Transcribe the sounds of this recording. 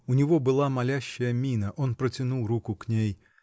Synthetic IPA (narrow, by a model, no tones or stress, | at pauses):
unʲɪvɔbɨlˠamalʲæɕːɐjəmʲinɐʔon̪pɾɐt͡sʲɪnulˠrukʊknʲej